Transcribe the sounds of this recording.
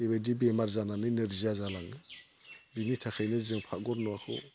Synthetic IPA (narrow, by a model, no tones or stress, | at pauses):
ebadibemaɾzananɯneɾziazalaŋɯ | dinitʰakʰajnɯzɯŋpʰaɡɔɾnɔakʰɔ̰